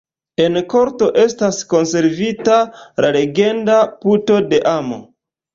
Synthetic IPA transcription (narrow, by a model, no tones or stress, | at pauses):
e̞nko̞ɾto̞ʔe̞stasko̞nse̞ɾvitalale̞ɡe̞ndaputo̞de̞ʔamo̰